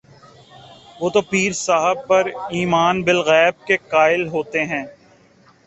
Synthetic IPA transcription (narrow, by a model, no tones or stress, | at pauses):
ʋoːt̪opiːɾsaːɦəb̚pɐɾiːmaːnbɪlɣɛːb̚kekaːɪlɦoːt̪eɦɛ̃ː